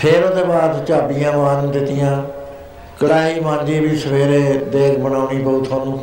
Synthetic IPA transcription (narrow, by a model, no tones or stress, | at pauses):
pʰeːɾõːd̪eːbaːd̪t͡ʃaːbijãːʋãːnũːd̪ɪt̪ɪjãː | kəɽaːiːmãːɲd͡ʒiːbiːsəpʰeːɾeːd̪eːkʰbənaːuniːboːt̪ʰaːnũː